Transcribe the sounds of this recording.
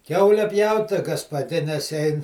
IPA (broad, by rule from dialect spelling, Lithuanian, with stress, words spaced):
ˈkʲɛʊlʲɛ ˈpʲjɛʊt tɐɪ ɡɐpɐˈdʲɪnʲɛs ˈɛɪn